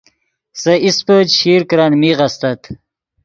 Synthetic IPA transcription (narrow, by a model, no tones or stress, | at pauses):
sɐʔispəɕiːɾkɾanmiʁɐst̪ɐt̪